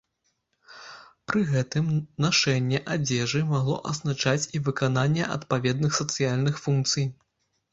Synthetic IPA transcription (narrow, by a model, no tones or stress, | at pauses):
pɾɨɣɛt̪ɨmnaʂɛnʲːɛʔad͡zʲɛʐɨmaɣlˠɔ̰ʔɐznat͡ʂat͡sʲivɨkananʲːɛʔɐ̰t̪pavʲɛd̪̚nɨxsɐt̪sɨjalʲnɨxfunk̚t̪sɨj